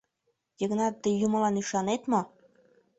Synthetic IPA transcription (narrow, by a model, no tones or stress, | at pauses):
jəɣnɑt̪ːəjumə̆lɑnyʃɑnet̪mo